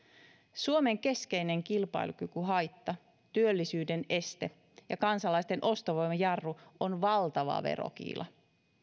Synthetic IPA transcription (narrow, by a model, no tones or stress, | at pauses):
suome̞ŋk̟e̞ske̞jne̞ŋkilpɑ̰jlukykyɦɑjt̪ːɑ | t̪yølːisyːde̞ne̞st̪e̞ | jɑkɑnsɑlɑjst̪e̞nʔo̞st̪oʋo̞jmɑjɑrːuonʋɑlt̪ɑʋɑ̰ʋe̞̰ɾo̰k̟ḭːlʔɑ̰